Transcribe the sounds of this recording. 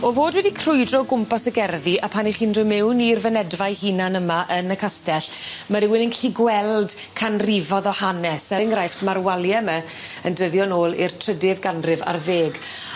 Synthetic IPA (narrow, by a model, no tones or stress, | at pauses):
ɔvoːdwɛdikʰrʊjdrɔɡʊmpasəɡɛrðiʔapʰaniχiːndʊmɪwnirvənɛdvajhinanəmaʔənəkʰastɛɬ | maɾɪwɪnɪnkɬʰiɡwɛlˠd̥ | kʰanrivɔðɔhanɛsəŋrajftmarwalˠjɛmɛ | əndəðjɔnoːlˠḭrtʰr̥ədɪvɡanrɪva̰rveːɡ